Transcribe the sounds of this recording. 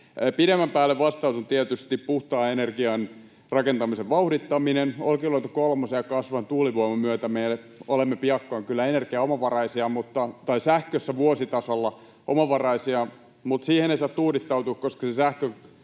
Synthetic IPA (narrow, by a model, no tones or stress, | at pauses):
pidemːæmpæːlːeʋʋɑst̪ɑusunt̪iæt̪yst̪ippuht̪ɑːenerɡiɑn | rɑkent̪ɑmiseʋʋɑuhdit̪ːɑminenolkiloit̪ɑ̥kolmɑsiɑkɑsʋɑnt̪uːliʋoimɑmyøt̪æmejle | olemːepiɑkːoɑŋkylːæenerɡiæomɑʋɑrɑisiɑmut̪ːɑt̪ɑisæhkøsːæʋuosit̪ɑsolːɑ | ʔomɑʋɑrɑisiɑ | mut̪siːheneisɑːt̪ːuːdit̪ːɑut̪uːkkoskɑsesæhkø